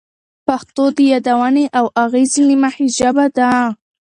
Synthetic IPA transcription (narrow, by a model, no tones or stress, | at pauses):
paxt̪od̪əjad̪awaneʔawʔaɣezinimahiʒabad̪a